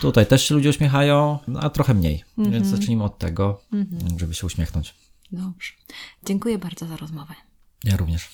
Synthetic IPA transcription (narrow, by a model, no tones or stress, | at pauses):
t̪ut̪ajt̪ɛʂɕɛlud͡ʑɛuɕmʲjɛxajɔ̃w̃n̰ʔa̰t̪ɾɔxɛmɲḛjvʲjɛnzat͡ʂɘɲimɘɔt̪ːɛ̰ɡɔʐɛbɘɕɛuɕmʲjɛxnɔɲt͡ɕ | d̪ɔbʐ̥ɛ̥d͡ʑɛŋkujɛbaɾd̪ɔzaɾɔzmɔvɛ | jaɾuvɲɛʂ